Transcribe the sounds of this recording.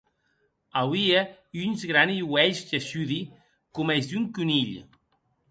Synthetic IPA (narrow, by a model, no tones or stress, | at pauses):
awiə | ynzɣɾaniwɛʎzʒəʃyði | kumɛzd̪uŋkuniʎ